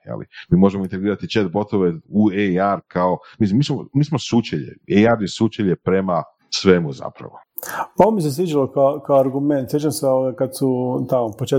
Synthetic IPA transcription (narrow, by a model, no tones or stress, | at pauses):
jḛlḭmiːmo̞ʒemoint̪e̞ɡɾiːɾat̪it͡ʃet̪bo̞t̪oʋeueaɾkʰao̞mislimiːsmo̰miːsmosut͡ʃeʎḛejaɾjesut͡ʃeʎepɾe̞ma | sʋe̞muza̰pɾa̰ʋo | oʋomis̬esʋid͡ʒalokaokaoaɾɡumẽnt̪sjet͡ʃamseooɡakad̪sut̪amopot͡ʃe